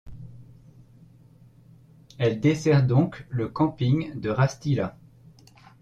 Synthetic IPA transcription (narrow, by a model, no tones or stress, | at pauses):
ɛld̪esɛʁd̪ɔ̃kləkɑ̃piŋd̪əʁast̪ila